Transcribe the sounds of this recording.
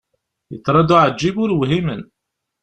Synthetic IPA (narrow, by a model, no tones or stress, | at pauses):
jə̰t͡sːɾˤɑd̪uʕəd͡ʒːibʊɾwɦimən